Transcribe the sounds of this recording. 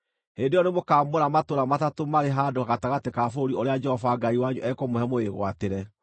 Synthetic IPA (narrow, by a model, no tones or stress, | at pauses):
hendejɔnemokaːmboɾamatoɾamatatomaɾeɦaːdokaɣataɣatekafoɾioɾead͡ʒɛhɔvaɡaiwaɲuʔɛkɔmohɛmoeɣwateɾɛ